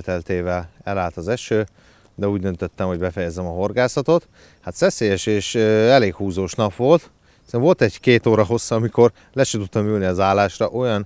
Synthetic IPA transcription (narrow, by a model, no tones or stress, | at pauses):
t̪ɛlt̪eːvɛlɛlaːlt̪ɒzɛʃøː | d̪ɛuːɟd̪ønt̪øt̪ːɛmho̞ɟbɛfɛjɛzɛmɒɦo̞rɡaːsɒt̪o̞t̪ | hat̪sɛseːjɛʃeːʃøɛleːkhuːzoːʃnɒpʋo̞lt̪ | sɛmvo̞lt̪ɛɟkeːt̪oːɾɒɦo̞sːɒːmiko̞r | lɛʃɛt̪ut̪ːɒmyːlniɒzaːlːaːʃrɒʔo̞jɒn